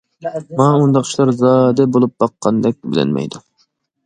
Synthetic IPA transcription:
mɑund̪ɑqt͡ʃʰilˠɑɾzɑːd̪ɛbolˠup̚bɑqʰːɑnd̪ɛk̚ʲbɪlɛ̰nmɛ̰jd̪u

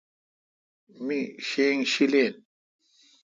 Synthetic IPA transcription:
miɕeːŋɕileːn

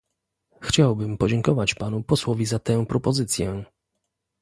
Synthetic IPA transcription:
xt͡ɕawbɘmpɔd͡ʑɛŋkɔvat͡ɕpanupɔswɔvʲizat̪ɛ̃pɾɔpɔzɘt̪sʲjɛ

